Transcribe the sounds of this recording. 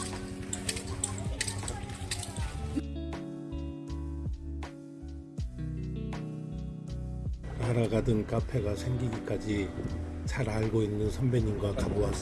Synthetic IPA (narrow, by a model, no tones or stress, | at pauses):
naɾaɡadɯnk͈apʰe̞ɡasʰe̞ŋɡiɡik͈ad͡ʑi | t͡ɕʰaɾaɭɡoinːɯnsʰʌmbeɲinɡwakaboas͈